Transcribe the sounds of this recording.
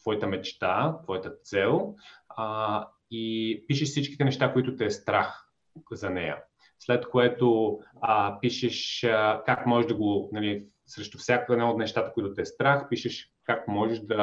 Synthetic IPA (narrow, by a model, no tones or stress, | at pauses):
t̪vɔjit̪əmɛt͡ʃt̪at̪vɔjət̪ət̪sɛlˠ | ipiʃɛʃsit͡ʃki̥t̪ɛnɛʃt̪akoit̪ʊt̪ɛːst̪ɾax | zɐnɛjə̰ | slɛt̪koɛt̪o | piʃɛʃkakmɔʒɛʒd̪ɐɡonɐli | sɾɛʃt̪ofsʲjakoɛd̪naot̪nɛʃt̪at̪əkoit̪ʊt̪ɛːst̪ɾaxpiʃɛʃ | kakmɔʒɛʃd̪ɐ